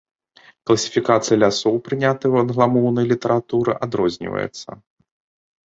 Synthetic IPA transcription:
klˠɐsʲi̥fʲikat̪sɨjɐlʲasɔwpɾɨnʲat̪ɨwɐd̪ɣlˠamɔwnɐjlʲit̪ɐɾat̪uɾɨ̰ʔad̪ɾɔzʲnʲḭvə̰jɛ̰t̪sːɐ̰

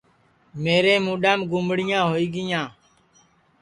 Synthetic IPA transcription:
meːɾeːmũːɗamɡʊmɽɪjãːɦoːiːɡɪjãː

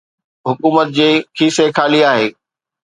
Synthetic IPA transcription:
ɦʊkuːmət̪̚d͡ʑiːkʰiːsekʰaːliaːɦeː

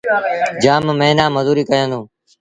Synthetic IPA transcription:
d͡ʒaːmːẽːnãːməzuːɾiːkəjə̃ːnd̪ũː

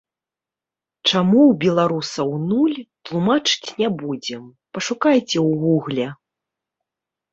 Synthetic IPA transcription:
t͡ʂamuwbʲɛlˠaɾusɐwnulʲt̪lˠumat͡ʂɨ̥t͡sʲnʲabud͡zʲɛm | pɐʂukajt͡sʲɛwɣuɣlʲɛ

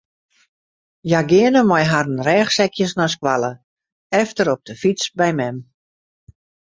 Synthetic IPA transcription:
jaɡɪənəmɔjɦarənrɛːxsɛkjəsnɔs̬kwalˠə | ɛftəɾɔp̚d̥əfit͡sbɛjmɛm

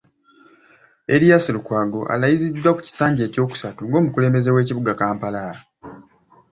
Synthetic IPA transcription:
e̞ɾijasilukwaːɡo̞ʔa̰lajizid̪ːwaku̥ci̥saːɲɟe̞ːco̞ːku̥satuŋɡo̞ːmukule̞ːmbe̞ze̞we̞ːciβuɡakaːmpala

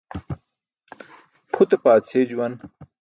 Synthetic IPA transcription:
pʰut̪epaːt͡sʰeːd͡ʑuwɐn

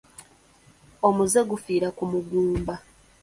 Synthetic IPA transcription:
o̞muzeɡufiːɾakumuɡuːmba

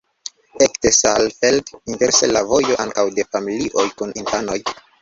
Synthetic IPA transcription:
ektesalfeldinve̞ɾsḛlavo̞jo̞ʔaŋkawde̞familiʔo̞jkunintanoj

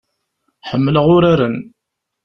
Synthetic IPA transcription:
ħəmːləʁʊɾaɾən

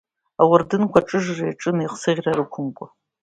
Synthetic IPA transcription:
awʊrdɨnkʷʰaʈ͡ʂʼɨʒrajaʈ͡ʂʼɨniqsɨʁʲraɾɨkʷʰʊmkʷʼa

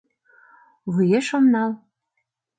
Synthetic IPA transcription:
βujeʃomnɑl

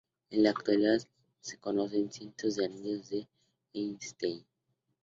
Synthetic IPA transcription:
enlaːk̚t̪waliðað | se̥konosensjent̪ozðeaniɲozðe | enst̪ejn

